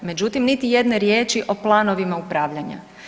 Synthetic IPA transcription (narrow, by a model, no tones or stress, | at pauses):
me̞d͡ʒut̪imnit̪ije̞d̪ne̞ɾje̞ːt͡ʃiʔo̞plˠaːno̞ʋimaupɾaːʋʎaɲa̰